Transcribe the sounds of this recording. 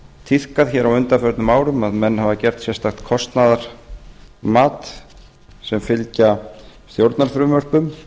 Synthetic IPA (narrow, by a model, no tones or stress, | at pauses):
t̪ʰiθkaðçɛːɾawʏnt̪afœɾt̪nʏmaːwɾʏmaðmɛnːhavacɛr̥t̪sjɛst̪axt̪kʰɔst̪naðaɾ̥ | maːt̪ | sɛmfɪlcasθjowɾt̪naɾ̥fɾʏmœr̥pʏm